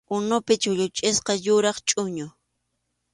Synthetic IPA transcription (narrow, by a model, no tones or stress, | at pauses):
ʊnʊpɪt͡ʃʊʎʊt͡ʃʼɪsqɑjʊɾɑχt͡ʃʼʊɲʊ